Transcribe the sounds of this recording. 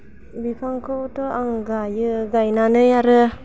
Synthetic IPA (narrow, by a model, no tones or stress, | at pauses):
bikʰaŋkʰɯutɔʔaŋɡajɯɡajnanɯjaɾɯ